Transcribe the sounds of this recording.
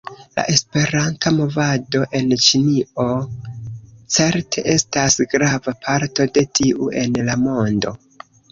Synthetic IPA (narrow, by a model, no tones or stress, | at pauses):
la̰ʔe̞spe̞ɾantamo̞vado̞ʔe̞nt͡ʃinio̞ | t͡se̞ɾtʰe̞ʔe̞stasɡɾavapʰaɾto̞de̞tʰiʔue̞nlamo̞ndo̞̰